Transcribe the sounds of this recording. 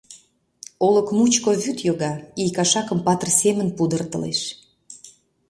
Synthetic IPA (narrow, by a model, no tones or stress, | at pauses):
oləkmut͡ɕkoβyt̪joɣɑijkɑʃɑkəmpɑt̪ərsemənpud̪ərt̪ə̰lḛʃ